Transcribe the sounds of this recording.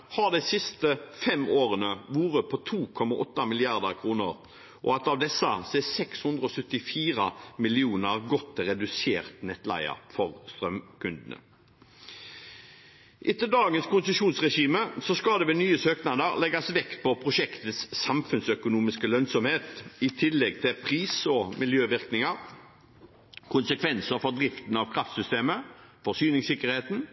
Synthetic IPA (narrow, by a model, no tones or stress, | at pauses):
hɑd̪æɪsɪst̪əfɛmoːʁənəʋuːɾəpʰɔt̪ʰuːkʰɔmɑʔɔt̪ːɑmɪlɪɑʁd̪əʁkʰʁuːnəʁ | ʔɔ̰ɑt̪ɑʋd̪ɛsːəsesɛkshʉnd̪ʁəɔsœt̪ːɪfiːʁɑmɪlɪuːnəʁɡɔt̪ːɛɾɛd̪ʉseːʁt̪nɛt̪læ̰ɪə̰ʁfɔʁst̪ɾœmkʉnd̪n̩ə̰ | ʔɪt̪ːəd̪ɑːɡənskʊnsəʃuːnsʁɛʃiːməsɔskɑd̪ɛʋɛnyːəsøːknɑd̪əʁlɛɡɑsʋɛkt̪̚pʰɔpʰʁʊʃɛkt̪əsːɑmfʉnsœkʊnuːmɪskəlœnsɔmheːt̪ɪt̪ʰɪlːɛɡ̚t̪ʰɪpʰʁiːsɔmɪljøːʋɪʁknɪŋɑʁ | kʰʊnsəkʰʋɛnsəɾfɔʁd̪ɾɪft̪n̩ɑʋkʰɾɑft̪sʏst̪eːmə | fɔsyːnɪŋsɪkəɾheːt̪n̩